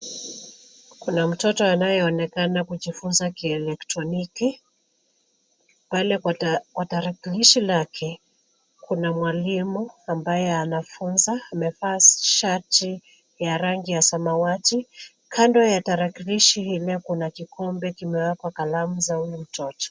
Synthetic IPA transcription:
kunam̩tɔtɔanajɛɔnɛkanakuʄifunzakiɛlɛktɾɔniki | palɛkwataɾakiliʃilakʰɛ | kʰunamwalimuambajɛanafunzaːmɛfaːʃati | jaɾaŋɡijasamawati | kʰandɔjataɾakiliʃihilɛkunakikɔmbɛkimɛwakwakalamuzaulɛm̩tɔtɔ̥

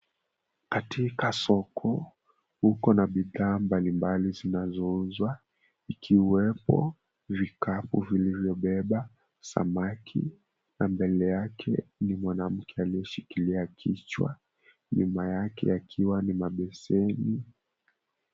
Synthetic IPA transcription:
katʰikasɔkʰɔ | hukɔnaɓiðaːmbalimbalizinazɔuzwa | ikʰiwɛpɔ̰ | vikapuvilivjɔɓɛɓa | sa̰makʰḭ | nambɛlɛjakʰɛnimwanam̩kɛalijɛʃikiliakʰit͡ʃwa̰ | ɲumajakɛ̰akʰiwanimaɓɛsɛni

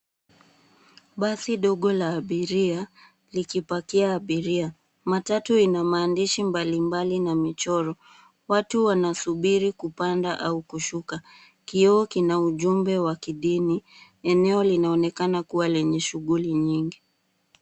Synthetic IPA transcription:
ɓasiɗɔɠɔlaːɓiɾia | likipakiaːɓiɾia | matatuinamaːndiʃimbalimbalinamit͡ʃɔɾɔ | watuwanasuɓiɾikupandaʔaukuʃuka | kiɔɔkinauʄumbɛwakiɗini | ɛnɛɔlinaɔnɛkanakuwalɛɲɛʃuɣuliɲiŋɡi

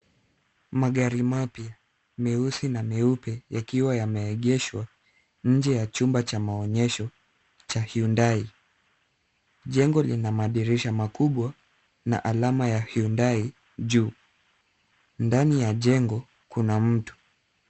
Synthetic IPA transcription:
maɠaɾimapia | miusinamiupɛjakiwajamɛːɠɛʃwa | ɲ̩d͡ʒɛjat͡ʃumbat͡ʃamaɔɲɛʃɔ | t͡ʃahiundai | ʄɛŋɡɔlinamaɗiɾiʃamakuɓwa | na̰ʔalamajahiundai | ʄuː | ndanijaʄɛŋɡɔ | kunam̩tu̥

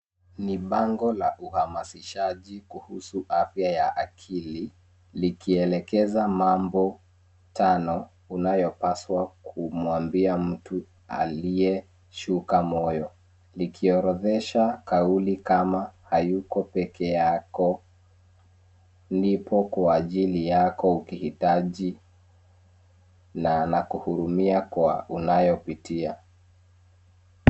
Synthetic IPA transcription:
niɓaŋɡɔlaʔuhamasiʃaʄikuhusuʔafjajaʔakʰili | likʰiɛlɛkɛzamambɔ | tʰanɔ | unajɔpaswakʰumwambiam̩tu | a̰liɛ | ʃukamɔjɔ | likʰiɔɾɔðɛʃakaulikamahajukɔpɛkɛjakɔ | ndipʰɔkwaːʄilijakɔukihitaʄi | nanakuhuɾumiakwa̰unajɔpitia

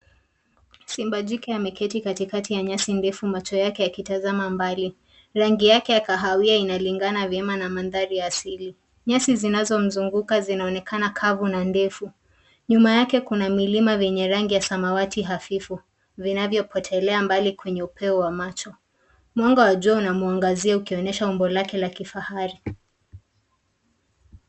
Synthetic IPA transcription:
simbad͡ʒikɛamɛkɛtikatikatijaɲasindɛfumat͡ʃɔjakɛjakitazamambali | ɾaŋɡijakɛjakaɦawiainaliŋɡanavjɛmanamanðaɾijaːsili | ɲasizinazɔm̩zuŋɡukazinaɔnɛkʰanakʰavunandɛfu | ɲumajakɛkunamilimavjɛɲɛɾaŋɡijasamawatiɦafifu | vinavjɔpʰɔtʰɛlɛambalikwɛɲɛupʰɛɔwamat͡ʃɔ | mwaŋɡawaʄuaunamuaŋɡaziaukiɔnɛʃaumbɔlakɛlakifahaɾi

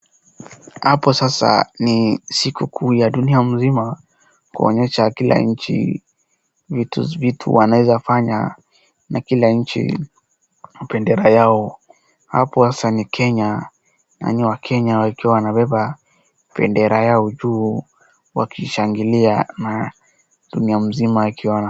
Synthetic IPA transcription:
hapɔsasa̰nisikukʰujaɗuniam̩zima | kuɔ̰ɲɛʃakila̰ɲ̩t͡ʃḭ | vitṵvitʰṵwanawɛzafaɲa | nakilaɲ̩t͡ʃḭ | pɛndɛɾajaɔ | ha̰pɔsasanikʰɛɲa | na̰niwakʰɛɲaikiwawanaɓɛɓa | pɛ̰ndɛɾajaɔd͡ʒuː | wa̰kiʃaŋɡiliana | ɗuniam̩zimaːkʰiwana

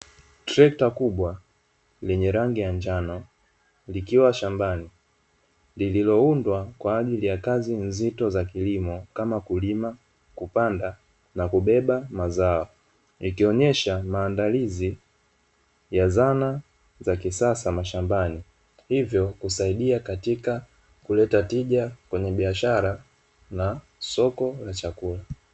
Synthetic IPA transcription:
tɾɛk̚takuɓwa | lɛɲɛɾaŋɡijaɲd͡ʒanɔ | likiwaʃambani | lililɔundwakwaːʄilijakazinzitɔzakilimɔkamakulima | kupanda | nakuɓɛɓamazaɔ | ikiɔɲɛʃamaːndalizi | jazana | zakisasamaʃambani | hivjɔkusaiɗiakatika | kulɛtatiʄakwɛɲɛɓiaʃaɾa | na | sɔkɔlat͡ʃakula

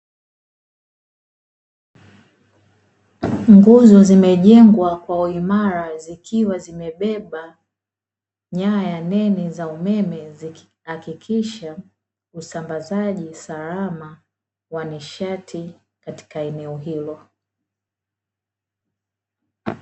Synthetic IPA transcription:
ŋɡuzɔzimɛʄɛŋɡwakwauimaɾazikʰiwazimɛɓɛɓa | ɲajanɛnizaumɛmɛzi | hakikʰiʃa | usambazaʄisalama | waniʃatʰi | kati̥kaɛnɛɔɦilɔ

